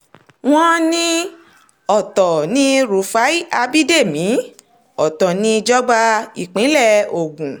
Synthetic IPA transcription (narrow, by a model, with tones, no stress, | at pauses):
w̃ɔ̃˦nĩ˦ | ɔ˨tɔ˨nĩ˦ɾu˨˧˦fa˨˦i˦a˧bi˦de˦˨mĩ˨˦ | ɔ˨tɔ˨nĩ˧d͡ʒɔ˦ɡ͡ba˧i˦˨k͡pĩ˨˦lɛ˦˨o˨ɡũ˨